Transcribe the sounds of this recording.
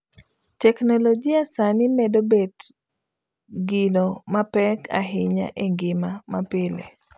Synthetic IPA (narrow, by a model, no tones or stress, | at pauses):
tɛknolod͡ʒiasanɪmɛdobet | ɡɪnomapɛka̰ɦɪɲa̰ʔeŋɡɪmamapɪlḛ